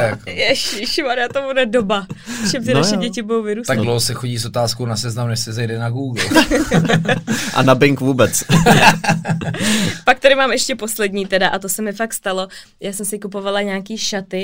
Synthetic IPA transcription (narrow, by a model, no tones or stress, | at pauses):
akjɛʃɪʃɪmaɾat̪omudɛdobafʃɛmzɛnaʃɛɟɛcɪbudowvɪɾuːst̪aɡdlowɦsɛxoɟiːsot̪aːskownasɛznamjɛʃsɪzɛjdɛnaɡuːɡl̩ | ʔa̰nabɪŋkvuːbɛt͡s | pak̚t̪aɾɪmaːmɛʃcɛpo̞slɛdɲiːt̪ɛdaʔat̪osɛmɪfakst̪alo̞ | jaːsɛmsɪkupo̞valaɲaaːkiːʃat̪ɪ